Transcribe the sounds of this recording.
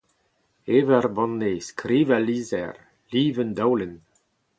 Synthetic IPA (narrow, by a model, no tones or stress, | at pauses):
evɛrbɔ̃nːeskɾiːvaliːzɛ̰r | liːvənd̪awlen